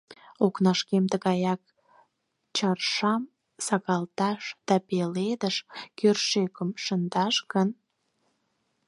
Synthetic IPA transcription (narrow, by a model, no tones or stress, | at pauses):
oknɑʃkemt̪əɣɑjɑk̚ | t͡ɕɑrʃɑm | sɑɣɑlt̪ɑʃd̪̥ɑpeled̪əʃkørʃekəmʃənd̪ɑʃɣən